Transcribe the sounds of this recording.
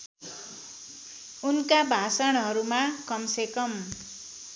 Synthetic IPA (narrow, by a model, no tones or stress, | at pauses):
unkabʱasʌɽ̃ɦʌɾumakʌmsekʌm